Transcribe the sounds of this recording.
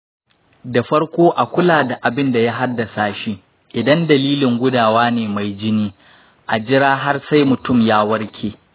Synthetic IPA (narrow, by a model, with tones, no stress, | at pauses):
da˨ɸɐ˦ɽkʷoː˦ʔa˨kʷʊ˦laː˨da˨ʔa˨bɪ˦nda˨ja˦ɦa˦dːɐ˨saː˨ʃi˦ | ʔɪ˨dɐ˦ndɐ˨liː˦lɪ˨ŋɡʷʊ˦daː˨waː˦neː˨ma˨jd͡ʒɪ˦niː˦ | ʔa˨d͡ʒɪ˦ɾaː˦ɦa˦rsa˦jmʊ˨tʊ˦mjaː˦wɐ˦rkʲʰeː˨